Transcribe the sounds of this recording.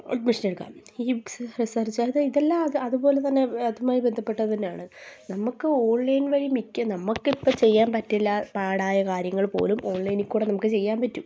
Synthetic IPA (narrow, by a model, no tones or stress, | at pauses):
ɐ̰ʈmiʂɐneɽukːa̰ːmiːbiksɨrisɐrd͡ʑjðɨiðɐlːaɐðɨɐðupo̞ːle̞t̪ɐnːe̞ɐðumaːjibe̞nd̪ʱɐpːe̞ʈːɐðɐðinjaːɳɨnɐmukːɨo̞ːɳlɐjnʋɐɻimikʲːɨnɐmukːipːot͡ɕe̞jːaːnpɐtːilːapaːɽaːjɐkaːɾjɐŋːɐɭpo̞̰ːlumo̞ːɳlɐjnikʲːuːɽenɐmukːɨt͡ɕe̞jːaːnpɐtːum